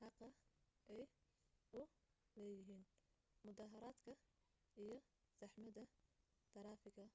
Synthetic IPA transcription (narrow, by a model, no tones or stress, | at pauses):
ħɑqɐʔɛj | ʊ | lɛːjɪɦiːn | mʊd̪aːɦɐɾaːd̪kʰɐ | ijɞ | sɑħmɐðɐ | t̪ʰɐɾɑːfɪɡɐ